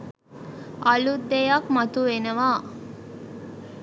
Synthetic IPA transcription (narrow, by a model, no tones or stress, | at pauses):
ɐlud̪ːejɐkmɐt̪uʋenəʋaː